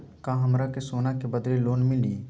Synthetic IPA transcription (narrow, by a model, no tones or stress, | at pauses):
kaɦɐmɾakesoːnakebəd̪leloːnmɪliː